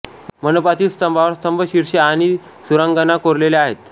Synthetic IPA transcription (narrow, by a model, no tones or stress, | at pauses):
mənopat̪iːst̪əmbʱaʋəɾst̪əmbʱəɕiɾɕeaɽ̃i | suɾaŋɡənakoɾleleaɦet̪